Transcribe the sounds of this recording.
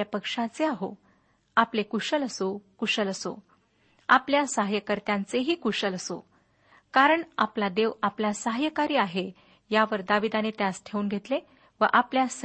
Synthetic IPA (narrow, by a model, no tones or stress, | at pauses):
japəkʂãt͡seaɦo̰ | aplekuɕələsokuʂələso̰ | apljasəɦajəkəɾt̪jãnt͡seɦiːkuɕələso̰ | kaɾəɳa̰plad̪eʋaplasəɦjəkaɾiːaɦe | jaʋəɾd̪aʋid̪anet̪jãsʈʰeuːnɡʱet̪le | ʋəʔapljas